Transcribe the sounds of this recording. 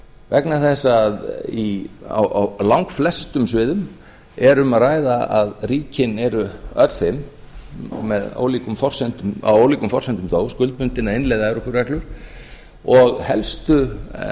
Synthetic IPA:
vɛknaθɛsːaðia̰wʔawlawŋkflɛst̪ʏmsvɪːðʏm | ɛɾʏmaðraːjðaaðriːcɪnɛɾʏœt̪l̥fɪm | mɛðo̰ːwlikʏmfɔr̥sɛnt̪ʏma̰woːwliːkʏmfɔrsɛnt̪ʏmθoːwskʏlt̪̚pʏnt̪ɪnːaɪnlɛjðaɛɾɔkʏɾvɛklʏɾ̥ | ɔɣhɛlst̪ʏ

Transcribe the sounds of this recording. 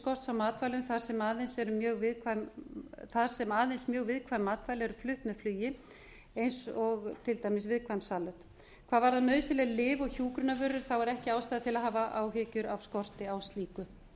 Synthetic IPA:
kɔr̥t̪sawmːaːt̪vajlʏmθaɾ̥sɛmaːðejnsɛɾʏmjœːɣvɪðkʰvamθaɾ̥sɛmaːðejnsmjœːɣvɪðkʰvajmːaːt̪vajlɪɛɾʏflʏht̪mɛðflʏːjɪ | ejnsɔɣt̪ʰɪlt̪aːjmɪsvɪðkʰvajmsaːlœht̪ | kʰv̥aːðvaɾðanœːɥsɪlɛlɪːvɔɣçuːkɾʏnavʏɾʏɾ̥θawɛɾɛhcɪaːwst̪ajðɪt̪ʰɪlaðɦaːvaʔaːwɦɪcʏɾavskɔr̥t̪ɪawst̪liːkʏ

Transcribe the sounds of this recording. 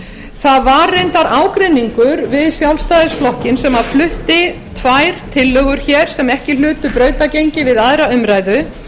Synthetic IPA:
θaðvaɾːejnt̪aɾaːwkɾɪnːiŋkʏɾvɪðsjawlst̪aːðɪsflɔhcɪnsɛmaðflʏht̪ɪt̪ʰvajɾ̥t̪ʰɪlːœɣʏɾ̥çɛɾ̥sɛmɛhcɪl̥ʏːt̪ʏpɾœːɥt̪acejɲcɪvɪðaðɾaʏmɾajðʏ

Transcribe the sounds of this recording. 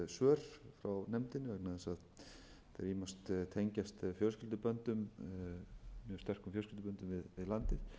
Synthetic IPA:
sœːɾ̥fɾawnɛmt̪ɪnːɪɛknaðɛsað | θɛɾimast̪t̪ʰeɲcast̪fjœɾʏscɪlt̪ʏpœnt̪ʏm | mjœ̥st̪ɛr̥kʏmfjœlscɪlt̪pœnt̪ʏmvɪðvɪðlant̪ɪθ

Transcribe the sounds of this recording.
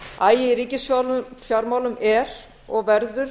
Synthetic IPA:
aːjɪiɾiːcɪsfjawlʏfjaɾmaːwlʏmɛɾ | ɔɣvɛɾðʏɾ̥

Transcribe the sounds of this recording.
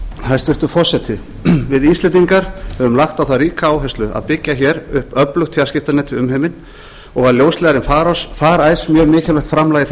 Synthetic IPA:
hast̪vɪɾ̥t̪ʏfɔɾ̥sɛt̪ʰɪ | vɪðist̪lɛt̪iŋkaɾ̥hɛvʏmlaxt̪awθaðriːkaaːwɦɛst̪lʏa̰ðpɪcːaçɛɾʏhpœplʏxt̪ʰɪascɪft̪anɛt̪ʰɪʏmɦɛjmɪn | ɔɣvaɾljowstlɛɣaɾɪmfaːɾɔsfaːɾaːjsmjœːɾmɪːcɛlɛhkt̪fɾamlaːjɣɪθ

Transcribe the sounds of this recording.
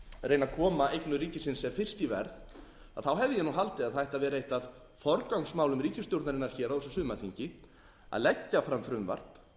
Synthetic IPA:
ɾejnakʰɔːmaʔejknʏɾiːcɪsɪnsːɛmfɪr̥st̪ivɛ̰ɾð | aðθawɦɛvðɪjɛnuɦalt̪ɪaðθajht̪aðvɛːɾejht̪að | fɔɾkawŋsmaːwlʏmɾiːcɪst̪jowɾt̪naɾɪnːaɾ̥çɛːɾaðɔsɔsʏːmaθʰiɲcɪ | a̰ðlɛcːafɾamfɾʏmva̰r̥p

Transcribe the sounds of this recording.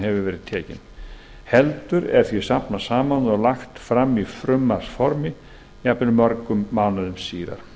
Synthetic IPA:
hɛvʏvɛːɾɪð̥t̪ʰɛːcɪ̰n | hɛlt̪ʏɾɛɾ̥θvisapnasaːmanðɔlaxt̪fɾamːifɾʏmːaɾ̥sfɔɾmɪ | japnɪnʏmːœɾkʏmːaːwnaðʏmsiːða̰ɾ̥

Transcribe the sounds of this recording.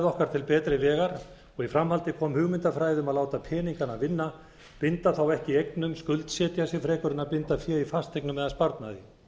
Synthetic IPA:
ðɔhkaɾ̥t̪ʰɪlpɛːt̪ɾɪvɛːɣaɾ | ɔɣifɾamɦalt̪ɪkʰɔːmhʏɣmɪnt̪afɾaːjðʏmaðlaːwt̪apʰɛːniŋkanavɪnːa | pɪnt̪aθawɛhcɪejknʏmskʏlt̪sjɛːt̪jasɪfɾɛːkʏɾɪnapɪnt̪afjɛːifast̪ejknʏmɛðaspaɾt̪naðɪ

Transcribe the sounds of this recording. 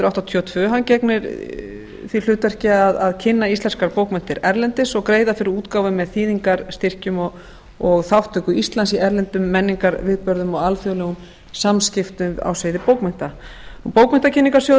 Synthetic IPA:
t̪ʏɾawht̪at̪ʰiɔt̪ʰvʏːɦancɛknɪɾ | θil̥ʏːt̪ɛr̥cɪaðaðcʰɪnːaist̪lɛnskaɾpoːwkmɛn̥t̪ɪɾɛɾlɛnt̪ɪsɔɣkɾeːjðafɪɾɪɾuːt̪kaːwvʏmːɛðθiːðiŋkaɾst̪ɪr̥cʏmɔ | ɔɣθawht̪ʰːœkʏist̪lansiɛɾlɛnt̪ʏmːɛnːiŋkaɾvɪːðpœɾðʏmɔɣalfjowlɛɣʏm | samscɪft̪ʏa̰wsvejðɪpoːwkmɛn̥t̪apowkmɛn̥t̪acʰɪnːiŋkaɾ̥sjo

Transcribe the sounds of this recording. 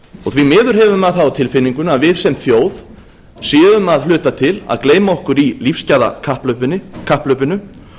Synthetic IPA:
ɔɣθvimɪːðʏɾ̥ɦɛvʏmaðθawt̪ʰɪlfɪnːiŋkʏnaðvɪðsɛmθjoːwð | sjɛːʏmaðlʏːt̪at̪ʰɪla̰ðkleːjmaɔhkʏɾilifscaːða̰kʰahplœpʏnɪkʰahplœɥpʏnʏ

